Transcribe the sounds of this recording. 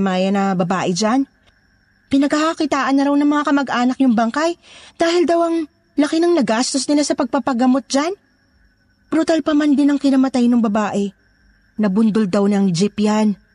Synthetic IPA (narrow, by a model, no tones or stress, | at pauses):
maːjɐnɐbɐbaːʔɛd͡ʒan | pɪnɐɡhɐhɐkɪt̪aːʔɐnːɐɾawnɐŋmɐŋakɐmɐɡʔaːnɐk̚jʊŋbɐŋkajd̪̥aːhɪld̪ɐwʔɐŋ | lɐkɪnɐŋnɐɡast̪osnɪlasɐpɐɡ̚pɐpɐɡɐmot̪̚d͡ʒan | b̥ɾut̪alpɐmand̪ɪnɐŋkɪnɐmɐt̪ajnoŋbɐbaːʔɛ | nɐbʊnd̪old̪ɐwnɐŋd͡ʒɪpjan